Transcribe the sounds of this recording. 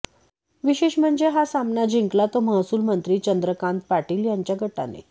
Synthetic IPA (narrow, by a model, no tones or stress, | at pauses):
ʋiɕeɕm̤əɳd͡zeɦasamnad͡ʑiŋklat̪oməɦsuːlmənt̪ɾiːt͡ɕənd̪ɾəkãnt̪̚paʈiːljaɲt͡ɕjaɡʱəʈa̰nḛ